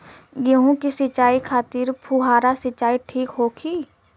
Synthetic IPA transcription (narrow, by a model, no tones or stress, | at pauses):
jeɦũkisɪt͡ʃaːikʰaːt̪iːɾpʰuɦaːɾasɪt͡ʃaːiʈʰiːkɦoːkʰiː